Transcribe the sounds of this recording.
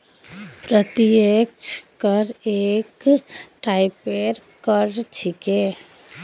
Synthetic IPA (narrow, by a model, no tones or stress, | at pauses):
pɾət̪iekt͡ʃʰkəɾekʈaipeɾ | kəɾt͡ʃʰike